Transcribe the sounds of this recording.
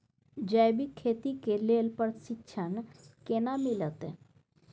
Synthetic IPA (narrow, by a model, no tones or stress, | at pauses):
d͡ʒəjbikʰːeːt̪ikeleːlpəɾsitːʃʰənkenamilət̪e